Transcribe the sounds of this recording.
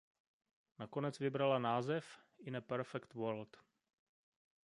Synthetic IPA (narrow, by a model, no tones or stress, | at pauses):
nakonɛt͡svɪbɾalanaːzɛfɪnəpɛɾfɛkt̪wɛɾlt̪